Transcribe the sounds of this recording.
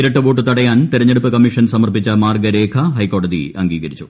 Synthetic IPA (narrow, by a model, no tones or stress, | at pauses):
iɾɐʈːɨʋoːʈːɨt̪ɐɽɐjaːnt̪iɾɐɲːeɽupːɨkɐmːiʂɐnsɐmɐrpit͡ɕːɐmaːrɡɐɾeːkʰɐɦɐjko̞ːɽɐðḭʔɐŋɡiːɡɐɾit͡ɕːu̥